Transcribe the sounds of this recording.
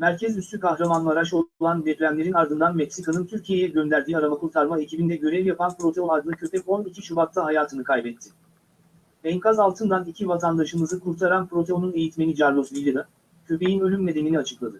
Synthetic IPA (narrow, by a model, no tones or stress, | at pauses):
mæɾcʰɛzyst̪ʰykʰahɾamanlˠɯaːɾaʃolˠand̪ɛpɾʲæmlʲe̞ɾinaɾd̪ɯnd̪anmɛcsikanɯnt̪ʰyɾcʰije̞jɛɟø̞nd̪æɾd̪iːaɾabakʰuɾt̪ʰaɾmae̞cʰibind̪ɛɟø̞ɾɛvjapanpɾo̞t̪ʰeonaɾɡɯɯcʰø̞pɛko̞nicʰit͡ʃʰubat̪lˠaɦajaːt̪ʰɯnɯkʰajbɛt̪ʰːɪ | ɛŋkazalˠt̪ʰɯnd̪anicʰivat̪ʰand̪aʃɯmɯzɯkʰuɾt̪ʰaɾanpɾo̞t̪ʰeonune̞jit̪me̞nid͡ʒaɾlˠoslʲˠijlʲeɾa | cʰø̞pe̞jinø̞lʲymːe̞d̪e̞miniat͡ʃʰɯklˠad̪ɯ